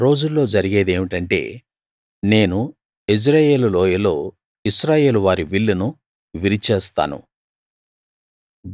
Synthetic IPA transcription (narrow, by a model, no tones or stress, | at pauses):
ɾo̞ːd͡ʒulːo̞ːd͡ʒɐɾiɡe̞ːd̪e̞ːʋiʈɐɳʈe̞̰ː | ne̞ːnu | is̬ɾaːje̞ːlulɔːjɐlo̞ː | iʃɾaːje̞ːluʋaːɾiʋiɭːunu | ʋiɾit͡ʃeːst̪a̰ːnṵ